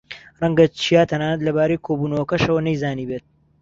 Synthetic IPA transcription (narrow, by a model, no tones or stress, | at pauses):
rɐŋɡɐt͡ʃʰijaːt̪ʰɐnaːnɐt̪lɐbaːɾejkʰoːbuːnɐwɐkɐʃɐwɐnɐjzaːniːbeːt̪̚